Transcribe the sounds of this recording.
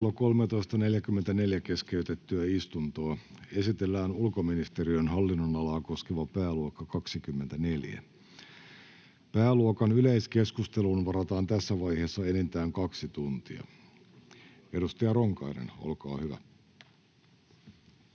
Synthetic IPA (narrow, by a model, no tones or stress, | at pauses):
lːoko̞lmet̪o̞jst̪ɑne̞ljækymːent̪æne̞ljæke̞skeyt̪et̪ːyæist̪unt̪oːe̞sit̪elːæːnulko̞minist̪e̞riønɦɑlːinːonɑlɑːko̞sk̟eʋɑpæːluokːɑkɑksikymːe̞nt̪æne̞ljæ̰ | pæːluokɑnyleiske̞skust̪e̞lunʋɑɾɑt̪ɑːnt̪æsːæʋɑjhe̞ːsːɑe̞nent̪æːŋkɑksit̪unt̪iɑ̰ | e̞dust̪ɑjɑroŋkɑinḛno̰lkɑ̰ːhyʋæ̰